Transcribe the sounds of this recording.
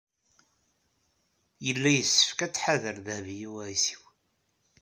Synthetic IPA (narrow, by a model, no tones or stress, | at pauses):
jəlːæjəsːə̥fkæt͡sːħaðəɾðəhvijiwæɾisi̥w